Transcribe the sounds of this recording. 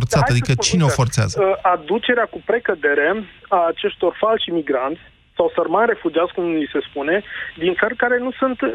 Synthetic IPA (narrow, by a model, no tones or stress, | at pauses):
rt̪saad̪ikət͡ʃineofo̞rt̪sea̰zəad̪ut͡ʃe̞ɾeakupɾe̞kəd̪e̞ɾe̞aːt͡ʃe̞ʃt̪o̞rfalʃimiɡɾant̪sʲ | sawsərmanre̞fud͡ʒiat̪skumise̞spune̞d̪int̪sərkaɾe̞nusunt̪